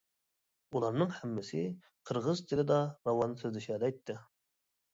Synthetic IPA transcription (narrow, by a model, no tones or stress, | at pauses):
ulˠɑɾnɨŋhæmːɪsɪ | qʰəɾʁəzt̪ʰɪlɪd̪ɑɾɑwɑnɨsʰøzlɪʃæd̪ɛjt̪ʰːɪ